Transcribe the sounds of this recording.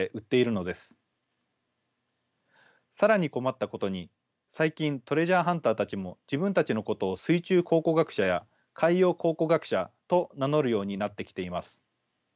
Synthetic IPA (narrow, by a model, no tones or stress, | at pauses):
eʔɯ̟t̪ːe̞iɾɯ̟no̞d̪e̞sɨ̥ | saɾaɲ̟iko̞mat̪ːako̞t̪o̞ɲ̟i | saikʲĩnt̪o̞ɾe̞ʑaːɦãnt̪aːt̪at͡ɕimo̞d͡ʑibɯ̟̃nt̪at͡ɕino̞ko̞t̪o̞ːsɨit͡ɕɨːkʰo̞ːko̞ɡakɯ̟̥ɕaja | kʰaijo̞ːkʰo̞ːko̞ɡakɯ̟̥ɕat̪o̞nano̞ɾɯ̟jo̞ːɲ̟inat̪ːe̞kʲi̥t̪e̞imasɨ̥